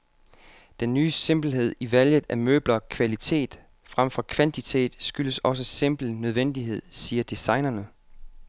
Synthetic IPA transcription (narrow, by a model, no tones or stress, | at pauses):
d̥enːyːse̝mb̥l̩ɦe̝ð̞̰ˠiʋæljəð̩ˠʔæmø̰ːb̥lɐkʰʋælit͡sʰe̝̰ːd̥ | fʁamfɒ̽kʰʋænt͡sʰit͡sʰe̝̰ːd̥sɡ̥yləsɒ̽s̬əse̝m̰b̥l̩nøð̞ˠʋen̰d̥iɦe̝ð̞̰ˠsiːɐd̥isɑ̈ɪnɐnə